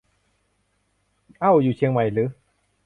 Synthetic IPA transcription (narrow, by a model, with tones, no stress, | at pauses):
ʔa˧˩wjuː˨˩t͡ɕʰi˧əŋma˨˩jlɯː˨˦